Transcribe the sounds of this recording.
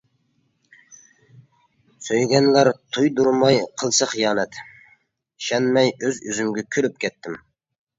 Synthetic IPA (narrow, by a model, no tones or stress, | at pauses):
søjɡʲɛnlæɾt̪ʰujd̪uɾmɑjqʰəlˠsəχijɑːnɛt̪ | ʃɛnmɛjøzyzymɡʲɛkʲʰølyp̚kʲʰɛt̪ːɪm